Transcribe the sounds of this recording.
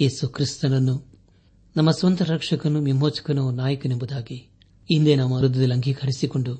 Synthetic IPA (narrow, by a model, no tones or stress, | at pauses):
jeːsukɾist̪ɐnɐnːu | nɐmːɐsʋɐnt̪ɐɾɐkʂɐkɐnumimoːt͡ʃu̥kunɐnaːjɐkunembud̪aːki | ind̪eːnɐmːɐɾud̪ɐd̪ilɐŋɡʱikʰɐɽisikuɳɖu